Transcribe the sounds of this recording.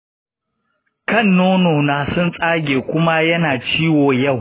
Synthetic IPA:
kɐ˦˨nːoː˦noː˨naː˨sʊ˦nsʼaː˦ɡʲeː˨kʷʊ˦ma˦jɐ˦naː˨t͡ʃiː˦woː˨jɐ˦˨w

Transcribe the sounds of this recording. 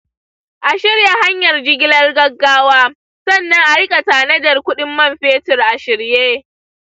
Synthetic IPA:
ʔa˨ʃɪ˦rja˨ɦa˦ɲjɐ˨rd͡ʒɪ˦ɡʲɪ˦lɐ˦rɡɐ˦ɡːaː˦waː˦ | sɐ˦˨nːɐ˦ŋʔa˨ɽɪ˦kʼa˨taː˨nɐ˦dɐ˨rkʷʊ˦ɗɪ˦mːɐ˦˨mɸeː˦tɪ˨rʔa˨ʃɪ˨ɽjeː˦

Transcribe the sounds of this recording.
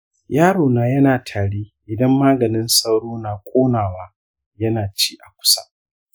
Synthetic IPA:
jaː˦ɽoː˨naː˨jɐ˦naː˨tʰaː˨ɽeː˦ʔɪ˨dɐ˦mːaː˦ɡɐ˨nɪ˦nsɐ˦wɽoː˦naː˨kʷʼoː˦naː˨waː˦ | jɐ˦naː˨t͡ʃiː˦ʔa˨kʷʊ̥˦sa̰˦ʔ

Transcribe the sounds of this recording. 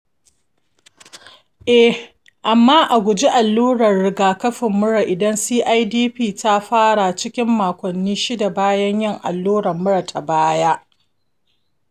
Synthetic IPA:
ʔɛ˦ | ʔa˨mːaː˦ʔa˨ɡʷʊ˨d͡ʒi˦ʔa˨lːuː˦ɽɐ˨rɽɪ˦ɡaː˨kɐ˦ɸɪ˨mːʊ˦ɽa˨ʔɪ˨dɐ˦nsiː˦ʔa˦jdiː˦ɸiː˦ta˦ɸaː˦ɽa˨t͡ʃɪ˦kʲɪ˦mːaː˨kʷɔ˨nːiː˦ʃi˦da˨baː˦jɐ˦ɲjɪ˦ŋʔa̰˨lːuː˦ɽɐ˨rmʊ˦ɽa˨tʰa˨baː˦jaː˦

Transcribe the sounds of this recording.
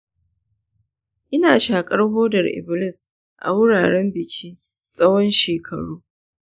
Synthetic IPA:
ʔɪ˦naː˨ʃaː˨kʼɐ˦rhoː˦dɐ˨rʔɪ̰˨bɪ˨lɪ˦s | ʔa̰˨wʊ˦ɽaː˨ɽɛ˦mbɪ˨kʲʰiː˦ | sʼɐ˦wɔ˦nʃeː˨kʰɐ̰˨ɽuː˦

